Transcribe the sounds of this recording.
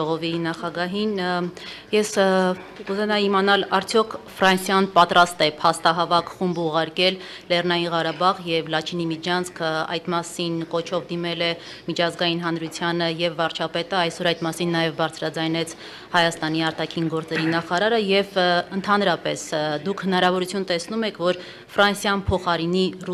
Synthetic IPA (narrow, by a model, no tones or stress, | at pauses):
ɔʁɔvinɑχɑɡɑɦin | jɛs | kuzɛnɛimɑnɑlɑɾt͡sʰjɔkʰfɾɑnsjɑnpɑt̪ɾɑst̪ɛpʰɑst̪ɑɦɑvɑkʰχumbuʁɑɾkɛl | lɛrnɑjinʁɑɾɑbɑʁjɛvlɑt͡ʃʰinimid͡ʒɑnt͡sʰkʰəɑ̰jt̪mɑsinkɔt͡ʃʰɔvd̪imɛlɛ | mit͡ʃʰɑzɡɑjin̪ɦɑnɾut͡sʰjɑnəjɛvːɑɾt͡ʃʰɑpɛt̪əɑjsɔɾɑjt̪mɑsinːɑjɛvbɑɾt͡sʰɾɑd͡zɑjnɛt͡sʰ | hɑjɑst̪ɑn̪iɑɾt̪ɑkʰinɡɔɾt͡sɛɾinɑχɑɾɑɾəjɛvənt̪ʰɑnɾɑpɛsd̪ukʰhənɑɾɑvɔɾut͡sʰjunt̪ɛsnumɛkʰvɔɾ | fɾɑnsjɑnpʰɔχɑɾinir